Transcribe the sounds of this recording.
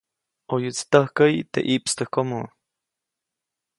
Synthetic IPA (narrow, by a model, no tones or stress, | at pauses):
ojɨt͡st̪əhkəjt̪ḛʔipst̪əhkomo